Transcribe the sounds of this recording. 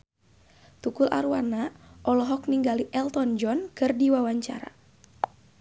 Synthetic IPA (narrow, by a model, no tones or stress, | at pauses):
t̪ukulʔa̰ɾuanaʔɔlɔɦɔk̚niŋɡaliʔɛlt̪ɔnd͡ʒɔnkɨrdiwawaɲt͡ʃa̰ɾa̰